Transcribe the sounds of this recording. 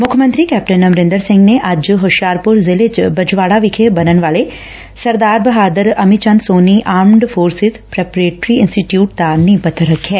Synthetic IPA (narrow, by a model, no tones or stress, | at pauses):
mʊkʰmə̃nt̪ɾikɛːp̚ʈənəmɾɪ̃nd̪əɾsɪ̃ŋɡneʔɐd͡ʒɦoʃjaːɾpʊɾzɪlet͡ʃbɐd͡ʒʋaːɽaʋɪkʰebɐnənʋaːle | sɐɾd̪aːɾbɐɦaːd̪əɾɐmit͡ʃɐnsoːniʔaːmɳɖfʰoːɾsɪzpɾɛːpɾeːʈɾiɪnsʈiʈjuːʈ̚d̪anĩpɐt̪ʰəɾɐkʰːɛː